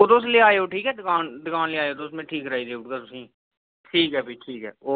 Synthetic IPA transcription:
oːt̪osleaːeːoːʈʰiːkɛːd̪ɪkaːnd̪əkaːnleaːeoːt̪osmẽːʈʰiːkɾaːiːd̪eːʊʈɡaːt̪ʊsĩː | ʈʰiːkɦɛːbiːʈʰiːkɦɛ̰ːoː

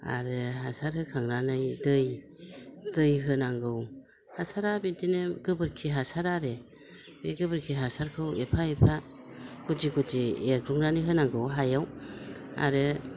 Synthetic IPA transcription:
a̰ɾɯɦasaɾhɯkʰaŋɾanɯjdɯj | dɯjɦɯnaŋɡɯw | hasaɾabintinɯɡɯbɯɾkʰiɦasaɾaɾe | beɡɯbɯɾkʰiɦasaɾkʰɯwepʰaepʰa | ɡ̥ud͡ʒiɡud͡ʒieɡɾuŋɾanɯɦɯnaŋɡɯwɦajaw | a̰ɾɯ

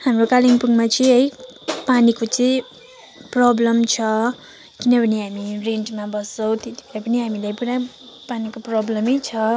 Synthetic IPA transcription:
hamrokaliŋpuŋmat͡sʌĩʌjpanikot͡sʌĩ | prʌblʌmt͡sʰʌ | kinʌbʱʌniɦamireɳʈmabʌsʌw̃t̪et̪i̥bʱeɾapʌniɦamilajpuɾa | panikoprʌblʌmʌjt͡sʰʌ

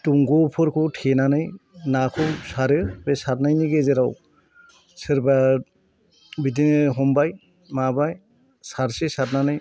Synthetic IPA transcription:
tuŋɡɔpʰɔɾkʰɯtʰenanɯjnakʰɯwsaɾɯbesatnajniɡezeɾaw | sɯɾba | bitinɯɦɔmbaj | mabaj | saɾsisat̚nanɯj

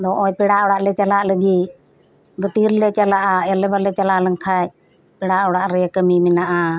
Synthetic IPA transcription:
d̪ɔːʔoːpɪɽaʔɔɽaʔlɛt͡ʃəlaʔləɡiː | ɡət̪iːɾlɛt͡ʃəlaʔaəlɛbalɛt͡ʃəlaʔləŋkʰaj | pɪɽaʔɔɽaʔɾɛkəmiːmɪnaʔaː

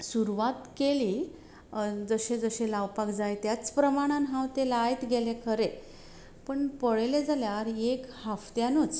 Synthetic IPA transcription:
suɾuʋat̪keliː | d͡zəɕẽd͡zəɕelawpakd͡zajt̪jat͡spɾəmaɽ̃anɦãwt̪elaːjt̪ɡʱelekʰəɾe | pəɳpəɭeled͡zaljaɾekhaft̪janət͡s

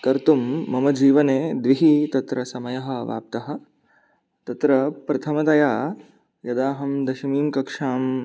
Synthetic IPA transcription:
kɐɾt̪umːɐmɐd͡ʒiːʋɐneːd̪ʋiɦit̪ɐt̪ɾɐsɐmɐjɐɦɐ̆ʋa̰ːp̚t̪ɐɦɐ̆ | t̪ɐt̪ɾɐpɾɐt̪ʰɐmɐt̪ɐjaː | jɐd̪aːɦɐmd̪ɐʃimiːmkɐkʂaːm

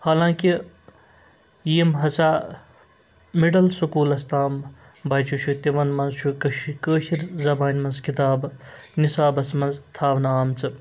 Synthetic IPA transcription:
haːlãːŋki | jiːmɦɐsʰaː | miɖɐlsukuːlɐst̪aːm | bɐːt͡ʃʰuʃʰut̪iʋɐnmɐnzt͡ʃʰukɐʃikəːʃiɾzɐbaːnʲmɐnzkit̪aːbnisaːbɐsmɐnzt̪ʰaːʋnaːmt͡sʰɨ

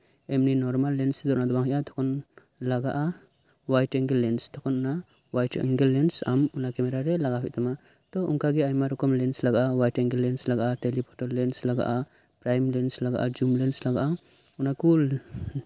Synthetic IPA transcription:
ɛmninɔɾmalːɛnsd̪ɔʔnad̪ɔbaŋɔjʔat̪ʰɔ̥kʰɔn | laɡaʔa | wajtɛŋɡɛlːɛnst̪ʰɔkʰɔnɔna | wajtɛ̰ŋɡɛlɛnsa̰munakɛmɛɾaɾɛlaɡapʰɛ̰ʔ̚t̪ʰama | t̪ɔuŋkaɡɛajmaɾɔkɔmlɛnslaɡaʔawajtɛŋɡɛlɛnslaɡaʔatɛlipʰɔtɔlːɛnslaɡa̰ʔa | pɾajmlɛnslaɡa̰ʔa̰d͡ʒumlɛnslaɡaʔa | unakul

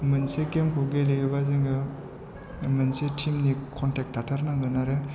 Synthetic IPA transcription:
mɯnsekemkʰuɡelejɯbazɯŋɡɯ | mɯnsetʰimnikʰɔntek̚tʰatʰaɾnaŋɡɯnaɾɯ

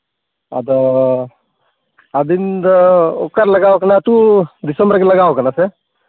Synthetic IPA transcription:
a̰d̪ | ad̪ind̪o̰kəɾlɐɡaːʋokɐnat̪ud̪isəmbɾkeləɡaːʋokɐnase

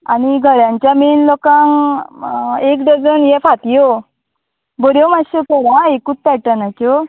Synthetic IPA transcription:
a̰ñiɡʱəɾjãɲt͡ɕjamenlokãŋ | ekɖəd͡zənjɛfat̪jo | bɔɾjomaɕekɔɾaekut͡s̪̚pɛʈanako

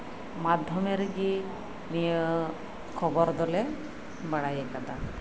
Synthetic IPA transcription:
mad̪ʱjɔmeɾɡi | nijə | kʰɔbɔɾd̪ɔle | baɽajekad̪a

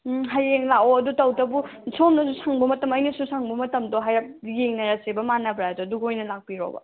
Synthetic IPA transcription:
ɦajeŋlaɔɐdutɐwtɐbunsʰomnɐsusʰaŋbɐmɐtɐmɐjnɐsusʰaŋbɐmɐtɐmdɔɦajɾap̚jeŋnɐɾasebɐmanɐbɾaɐdɔɐduɡojnɐlak̚piɾo̰bɐ̰

